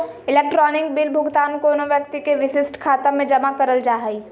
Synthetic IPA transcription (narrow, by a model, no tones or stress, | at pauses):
ɪleːk̚ʈɾɔːnɪkbiːlbʱʊɡt̪aːnkoːnoʋjək̚t̪ikeʋɪʃɪsʈkʰaːt̪amẽd͡ʒɐmakɐɾəld͡ʒaːɦəi